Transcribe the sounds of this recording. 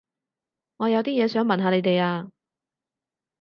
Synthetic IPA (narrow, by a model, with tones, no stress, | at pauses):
ŋɔː˨˧jɐ˨˧wt̪iː˥jɛː˨˧sœː˨˥ŋmɐ˨nɦaː˨˧ne˨˧jt̪e˨jaː˧